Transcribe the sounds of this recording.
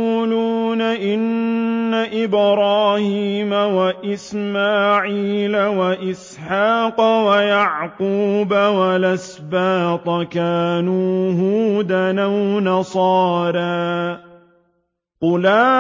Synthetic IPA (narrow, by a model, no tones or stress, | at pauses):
uːluːnaʔɪnːaʔɪbɾˤɑːhiːmawaʔɪsmaːʕiːlawaʔɪs | ħaːqɑwajaʕquːbawalas | baːt̪ˤɑkaːnuːɦuːd̪anawnɑsˤɑːɾaː | qʊlaː